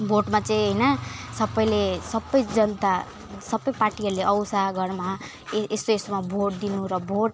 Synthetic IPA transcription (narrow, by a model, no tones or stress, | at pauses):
bʱoʈmat͡sʌĩɦʌjnʌsʌbʌjlesʌbʌjd͡zʌnt̪a | sʌbːʌjparʈiʌɾuleʔʌwsaɡʌrma | est̪oesomabʱoʈ̚d̪inuɾʌbʱoʈ̚